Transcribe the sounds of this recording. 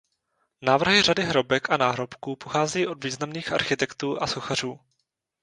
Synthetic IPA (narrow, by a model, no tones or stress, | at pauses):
naːvr̩ɦɪradɪɦɾo̞bɛkanaːɦɾo̞pkuːpoxaːzɛjiːʔodviːznamniːxʔa̰ɾxɪt̪ɛkt̪uːʔasoxar̝uː